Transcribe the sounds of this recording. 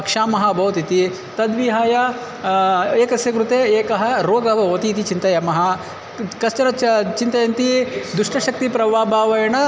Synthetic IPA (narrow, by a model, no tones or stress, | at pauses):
ɐkʂaːmɐɦɐbʱɐʋɐt̪it̪i | t̪ɐd̪ʋiɦaːjɐ | eːkɐsjɐkɾut̪eːeːkɐɦɐɾoːɡɐbʱɐʋɐt̪iːt̪it͡ʃint̪ɐjɐmɐɦɐ | kɐst͡ʃɐɾɐt͡ʃt͡ʃint̪ɐjɐnt̪id̪uʂʈɐʃɐk̚t̪ipɾɐʋaːbʱaːʋɐjɐɳɐ